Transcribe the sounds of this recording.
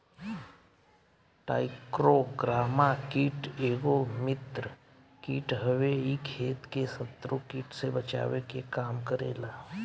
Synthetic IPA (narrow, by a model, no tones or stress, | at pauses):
ʈa̰ːɪkɾoɡɾaːmakiːʈeːɡomɪt̪ɾə | kiːʈɦəʋeikʰeːt̪kesət̪ɾokiːʈsebət͡ʃa̰ːwekekaːmkəɾḛːlaː